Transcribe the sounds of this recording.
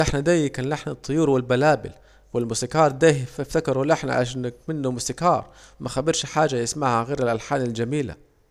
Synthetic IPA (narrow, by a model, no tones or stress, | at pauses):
ʔɪħnad̪aːjːkanlaħnat̪ˤːɨjuːɾwɪlbalaːbɪ̰l | wɪlmʊsikɑːɾˤd̪aːhfɪft̪akɑɾˤulʔɪħna̰ʕa̰ʃaːnːak̚mɪnːʊmʊsikɑːɾˤmaxabɪɾʃħaːd͡ʒajɪsmaːhaɣeːɾɪlʔalħaːnɪld͡ʒamiːla̰